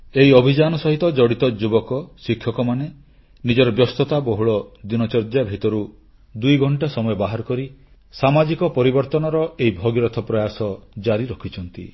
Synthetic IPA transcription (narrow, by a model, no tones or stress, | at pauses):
eɦiɔbʱid͡ʒanɔsɔɦit̪ɔd͡ʒɔɽit̪ɔd͡ʒubɔkɔsikʰːjɔkɔmane | nid͡ʒɔɾɔbjɔst̪ɔt̪abɔɦuɭɔd̪inɔt͡ʃɔɾd͡ʒabʱit̪ɔɾu | d̪ujɡʱɔɳʈasɔmɔjɔbaɦaɾɔkɔɾi | samad͡ʒikɔpɔɾibɔɾt̪ɔnɔɾɔeibʱɔɡiɾɔt̪ʰɔpɾɔjasɔd͡ʒaɾiɾɔkʰit͡ʃʰɔn̪t̪ḭ